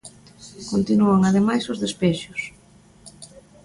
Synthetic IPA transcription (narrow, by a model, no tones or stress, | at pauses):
kont̪inuaŋaðemajsʊzðespɛʃʊs